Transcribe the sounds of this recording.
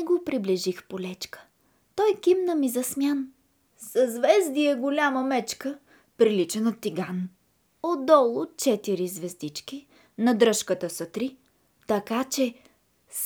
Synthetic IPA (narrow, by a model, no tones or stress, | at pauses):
ɛɡopɾibliʒixpolʲɛt͡ʃkə̥ | t̪ɔjkimnəmizɐsmʲjan | sɐzvɛzd̪iɛɡolʲaməmɛt͡ʃkə | pɾilit͡ʃɛnət̪iɡan | od̪ɔlˠʊt͡ʃɛt̪iɾizvɛzd̪it͡ʃki | nɐd̪ɾɤʃkət̪əsɐt̪ɾi | t̪ɐkat͡ʃɛ | s